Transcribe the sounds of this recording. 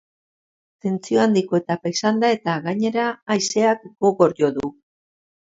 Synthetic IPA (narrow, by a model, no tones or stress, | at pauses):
t̪e̞nt͡sio̞and̪iko̞e̞t̪apajsand̪ae̞t̪aɣaɲe̞ɾaːjse̞akɡoɣo̞ɾjo̞ðu